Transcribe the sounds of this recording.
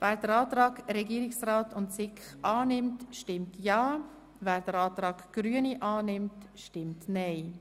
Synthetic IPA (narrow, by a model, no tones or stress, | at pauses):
væːɾd̥əɾɑːtrɑːɡɾɛɡiəɾɪksraːtʰʊntsɪkχʔɑːnɪmtʃtɪmtjɑː | væːɾdəɾɑːt̪ɾɑːɡ̥ɡ̥ɾyəniʔɑːnɪmtʃtɪmtnɛɪ